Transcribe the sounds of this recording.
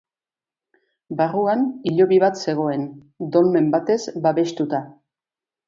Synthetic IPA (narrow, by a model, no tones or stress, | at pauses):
baruaniʎo̞βiβat̪se̞ɣ̞o̞e̞n | d̪o̞lme̞mbat̪e̞zbaβe̞ʃt̪ut̪a